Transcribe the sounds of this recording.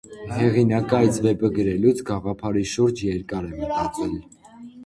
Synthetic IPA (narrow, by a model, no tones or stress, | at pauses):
hɛʁinɑkɑjt͡svɛpəɡəɾɛlut͡sʰɡɑʁɑpʰɑɾiʃuɾd͡ʒjɛɾkɑɾɛmət̪ɑt͡sɛl